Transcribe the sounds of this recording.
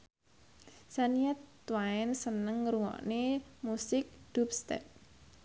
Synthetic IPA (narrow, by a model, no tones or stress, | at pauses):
saniɛt̪ː | waɛnsənəŋɾuŋɔ̰ʔnemusɪk̚d̪̥up̚st̪ɛ̰p̚